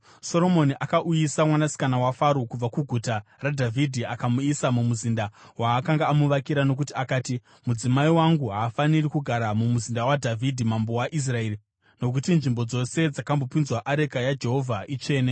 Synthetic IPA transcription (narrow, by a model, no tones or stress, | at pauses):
so̞ɾo̞mo̞niʔakaʔujisamwanasi̥kanawafaɾukub͡vakuɡʱutaradʱavʱidʱiakamuisamumuzindawaːkaŋɡaːmuʋakiɾano̞k̬utiakaːti | mud͡zimaiwaŋɡuɦaːfanirikuɡʱaɾamumuzindawadʱavʱidʱimambo̞waʔis̬raeːri | no̞k̬utinʐimbo̞d͡zo̞se̞d͡zakambo̞pinzwaʔaɾe̞kajad͡ʒe̞ɦo̞vʱaʔit͡ʃe̞ːne